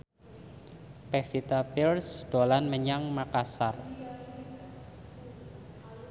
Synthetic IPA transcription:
pɛfit̪apilsd̪̥olanməɲaŋmakasar

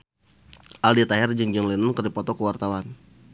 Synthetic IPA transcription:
ʔaldit̪aɦɛrd͡ʒəŋd͡ʒəŋlinʊŋkərdipɔt̪ɔkəwart̪awan

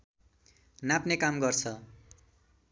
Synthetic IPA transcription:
napnekamɡʌrt͡sʰʌ

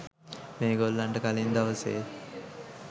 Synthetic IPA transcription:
meːɡolːaɳʈəkalind̪aʋəsḛː

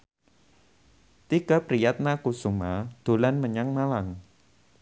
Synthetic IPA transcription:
t̪ikapɾijat̪̚nakusumad̪̥o̤lanməɲaŋmalaŋ

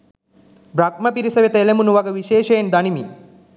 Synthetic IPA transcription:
bɾɐɡ̚mɐpiɾisɐʋet̪ɐelemunuʋɐɡɐʋiʃeːʃɐjend̪ɐnimi

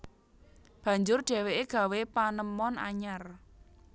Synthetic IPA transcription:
b̥ä̤ɲd͡ʒʊrɖ̥ɛ̤weʔeɡ̥ä̤wepanəmɔna̰ɲar

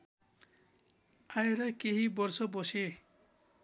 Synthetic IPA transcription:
ajɾajkeɦibɔɾsɔbɔse

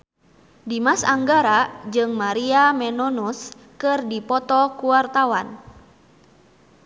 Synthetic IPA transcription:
dimasaŋɡaɾad͡ʒɨŋmaɾiamɛnɔnus | kɨrdipɔt̪ɔkuwart̪awan

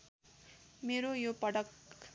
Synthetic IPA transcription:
meɾojopʌɽʌk

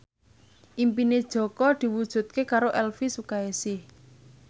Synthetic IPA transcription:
ʔimpined̥ʒ̥ɔ̤kɔd̪̥i̤wud̥ʒ̥ṳt̪̚kekaɾoʔɛlfisukaesɪh

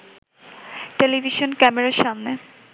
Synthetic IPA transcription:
ʈelibʱiʃonkɛmeɾaʃamne

